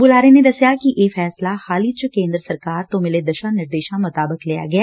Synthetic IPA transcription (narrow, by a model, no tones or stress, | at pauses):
bʊlaːɾened̪ɐsjakiʔeːfɛːslaxaːlit͡ʃəkẽːnd̪ɾəsɐɾkaːɾt̪omɪled̪ɐʃanɪɾd̪eːʃãmʊt̪aːbəklija̰ɡɐjaː